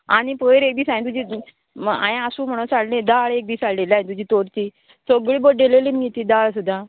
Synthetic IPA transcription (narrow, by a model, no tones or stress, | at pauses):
aɽ̃ipəjɾek̚d̪iːsãj̃ĩt̪̬ud͡ʑiː | a̰jẽəsuːm̤əɽ̃ũt͡saɽlẽd̪aɭek̚d̪iːsaɭlelaɦĩt̪ud͡ʑʱiːt̪oɾt̪iː | soɡɭiːboɖeleliməɡet̪iːd̪aɭs̬ud̪ʱːa